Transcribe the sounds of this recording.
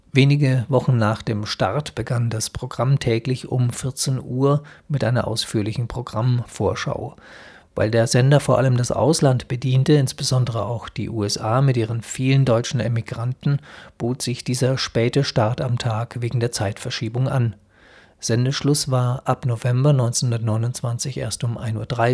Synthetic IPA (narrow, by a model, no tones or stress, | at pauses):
veːnɪɡəvɔχn̩naːχd̥eːmʃta̰ʁtb̥əɡandaspʁ̥oɡʁamtʰɛːklɪçʊ̰mfɪɐt͡senʔuːɐmɪtʔaɪnɐʔa̰ʊsfyːɐlɪçn̩pʁ̥oɡʁamfoːɐʃa̰ʊ | va̰ɪldeːɐzɛndɐfoːɐʔaləmdasʔa̰ʊslantb̥ədiːntəɪnsb̥əzɔndəʁəʔaʊxd̥ḭːʔṵːɛsʔaːmɪtʔiːʁənfiːləndɔʏt͡ʃn̩emiɡ̥ʁantn̩b̥oːtz̥ɪçd̥iːzɐʃpɛːtəʃtaɐtamtʰaːkveːɡŋ̩deːɐt͡saɪtfɛɐʃiːbʊŋʔa̰n | z̥ɛndəʃlʊsv̥aːɐʔapnovɛmbɐnɔʏnt͡senhʊndɐtnɔʏnʊnt͡sv̥ant͡sɪçʔḛːɐstʊmʔa̰ɪnuːɐd̥ʁaɪ